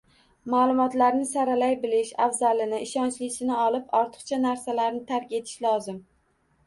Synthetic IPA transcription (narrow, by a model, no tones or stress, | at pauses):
malˠʊmɒt̪laɾnɪsaɾalajbɪlɪʃafzalɪnɪʔɪʃɒnt͡ʃlɪsɪnɪɒlˠɪpɒɾt̪ʰɨ̥qt͡ʃʰanaɾsalaɾnɪt̪ʰaɾkʲe̞t̪ʰɪ̥ʃlɒzɪm